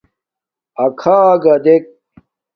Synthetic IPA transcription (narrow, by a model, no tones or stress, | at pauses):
ɐkʰaːɡɐd̪ek̚